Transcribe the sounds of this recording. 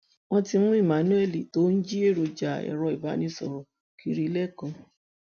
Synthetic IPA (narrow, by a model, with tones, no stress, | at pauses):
w̃ɔ̃˦ti˧ñ̩˦i˦˨mã˨˦nũ˦ɛ˦˨li˨to˦n̩˦d͡ʒi˦e˦˨ɾu˨˧d͡ʒa˨ɛ̰˨ɾɔ˧i˨ba˨˦nĩ˧sɔ̰˨ɾɔ˨ | ki˧ɾi˧lɛ˦˨kɔ̃˨˧